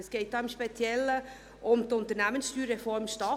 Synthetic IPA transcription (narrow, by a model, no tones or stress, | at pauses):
sɡ̥eɪt̚d̥ɑːʊmʃpet͡sjɛlə | ʔʊmtʊnt̪əɾnæmənsʃtyːɾʁɛfɔɾmʃtɑː